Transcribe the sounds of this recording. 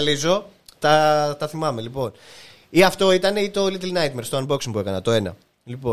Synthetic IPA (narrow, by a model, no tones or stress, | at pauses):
lizo̞t̪ɐt̪ɐθimɐme̞lipo̞n | iɐft̪o̞it̪ɐne̞it̪o̞lit̪ilnɐjt̪mest̪oɐnbo̞ksiŋpue̞kɐnɐt̪o̞e̞nɐ̰ | lipo̞